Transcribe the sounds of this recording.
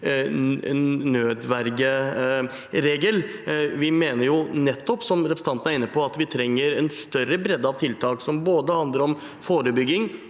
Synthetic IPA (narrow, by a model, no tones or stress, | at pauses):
nnøːd̪ʋæɾɡə | ɾeːɡəlʋɪmeːnəɾjʊnɛt̪ːɔpsɔmɾɛpɾs̩ʰɑnəæɾɪnːəpʰɔɑt̪ʋɪt̪ʰɾɛŋːəɾɛnst̪œrəbɾɛd̪ːɑʋt̪ʰɪlt̪ʰɑːksɔmboːd̪əhɑnd̪ləɾɔm | foːɾəbʏɡːɪŋ